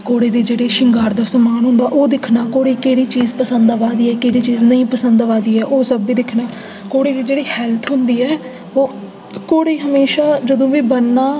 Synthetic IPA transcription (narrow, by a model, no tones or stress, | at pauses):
koːɽeːd̪iːd͡ʒeːɽeːʃɪŋɡaːɾd̪aːsəmaːnɦʊ̃nd̪aːʔoːd̪ɪkʰnaːkoːɽiːkeːɽiːt͡ʃiːzpəsənd̪ʋaːd̪iːɛːkeːɽiːt͡ʃiːznəĩːpəsənd̪ʋaːd̪iːɛːʔoːsəbiːd̪ɪkʰnaː | koːɽeːd̪iːd͡ʒeːɽiːhɛːlt̪ʰɦʊnd̪iːɛː | oː | koːɽeːɦəmeːʃaːd͡ʒəd̪õːʋiːbənːaː